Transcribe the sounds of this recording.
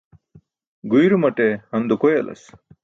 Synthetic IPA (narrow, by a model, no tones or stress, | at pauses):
ɡujɾumɐʈehɐnd̪ukojelʔɐ̰s